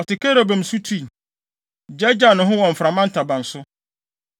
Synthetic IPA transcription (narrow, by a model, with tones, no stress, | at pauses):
ɔ˨tɪ˨kʰɛ˦ɾo˨bã˨m̩˨su˦tʰu˦˨ | d͡ʒɛ˦d͡ʑa˨nʊ̃˨ɦʊ̃˦wɔ̃˨m̩˨fɾa˨mã˦n̩˦tʰa˨bã˨n˨sʊ˦